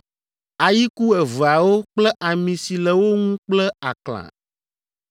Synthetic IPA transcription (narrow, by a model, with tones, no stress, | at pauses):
a˨ji˦ku˦ɛ˨və˨a˨wo˦k͡plɛ˦ʔa˨mĩ˨si˨lɛ˨wo˦ŋũ˦k͡plɛ˦a̰˨klã̰˨